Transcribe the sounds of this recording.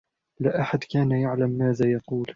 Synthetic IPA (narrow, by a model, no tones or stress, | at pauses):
laːʔaħad̪kaːnajaʕlamːaːðaːjɑquːl